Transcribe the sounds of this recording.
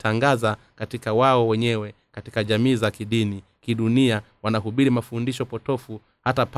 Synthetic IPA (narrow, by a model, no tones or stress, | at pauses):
taŋɡaza | katikawaɔwɛɲɛwɛ | katikaʄamiːzakiɗini | kiɗunia | wanaɦuɓiɾimafundiʃɔpɔtɔfu | hatap